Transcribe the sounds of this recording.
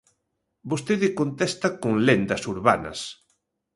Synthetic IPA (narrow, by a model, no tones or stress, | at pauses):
bost̪eðɪkont̪ɛst̪ɐkoŋlend̪ɐsuɾβanɐ̰s